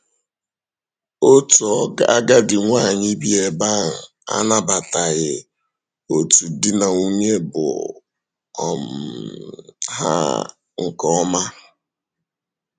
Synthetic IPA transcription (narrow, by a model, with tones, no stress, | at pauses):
o˦tu˨ɔ˦a˦ɡa˦dɪ˨ŋʷa˦˨ɲi˦bi˦e˨ba˦ŋ̩˨ | a̰˦na˦ba˨ta˨ɣɪ˨ | o˨tu˨dɪ˦na˨u˦ɲe˦bʊ̰˨ | ɔ˨m̩˨ | ɦa̰˦ | ŋ̩˨kɔ˦ma˦